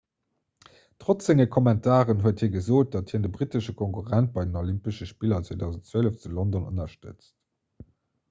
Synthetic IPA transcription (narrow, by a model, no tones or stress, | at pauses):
tʁot͡sz̥eŋɐkʰɔmɛntʰaːʁənɦuəɐthiːɐɡəzoːt̚d̥ɑthiːɐndəbʁitəʃəkʰoŋkuʁænt̚b̥ɑɪdənolimpəʃəʃpiːlɐt͡swoːdɑʊzəntt͡swələft͡sulondonə̰nɐʃtə̰t͡st